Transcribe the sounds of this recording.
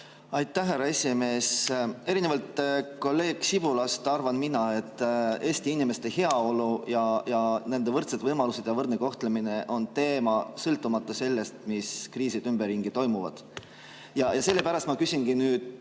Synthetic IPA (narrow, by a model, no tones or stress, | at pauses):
ɑjt̪ːˑæːærːɑe̞sʲime̞ːse̞ɾinevɑlt̪ko̞lːe̞ːɡ̥sib̥ulɑst̪ɑrvɑnminɑe̞t̪ːe̞ːst̪iinime̞st̪e̞he̞ɑo̞lujɑjɑnend̪̥e̞vɤrt̪sed̪vɤjmɑluse̞d̪̥jɑvɤrd̪neko̞ht̪lemineʔo̞nt̪e̞ːmɑsɤlt̪ːˑumɑt̪ːˑɑse̞lːe̞st̪miskriːsid̪ymb̥erːiŋɡ̥it̪o̞jmuvɑ̰d̪̥ | jɑjɑse̞lːe̞pæɾɑst̪mɑkysʲinɡ̥inyːd̪̥